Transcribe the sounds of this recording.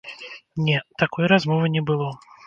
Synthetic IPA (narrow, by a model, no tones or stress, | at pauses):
nʲɛt̪akɔjɾazmɔvɨnʲɛbɨlˠɔ